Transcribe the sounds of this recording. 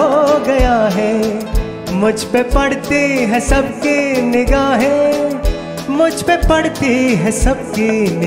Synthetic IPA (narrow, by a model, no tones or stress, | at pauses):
oɡɐjaɦɛ | mʊd͡ʒʱpepɐɽt̪iɦɛsɐbkinɪɡaːɦɛ | mʊd͡ʒʱpepɐɽt̪iɦɛsɐb̚kinɪ